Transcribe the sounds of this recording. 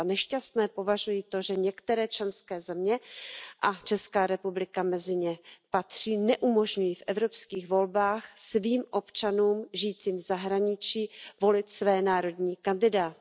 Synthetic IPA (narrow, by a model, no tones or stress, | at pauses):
nɛʃcast̪nɛːpo̞vaʒujiːt̪o̞ʒɛɲɛkt̪ɛɾɛːt͡ʃlɛnskɛːzɛmɲɛʔat͡ʃɛskaːɾɛpublɪkamɛzɪɲɛpat̪r̝̥iːnɛʔumo̞ʒɲujifʔɛvɾo̞pskiːɣvo̞lbaːxsviːmʔo̞pt͡ʃanuːmʒijːt͡siːmvzaɦɾaɲɪt͡ʃiːvo̞lɪt̪svɛːnaːɾo̞dɲiːkandɪdaːt̪ɪ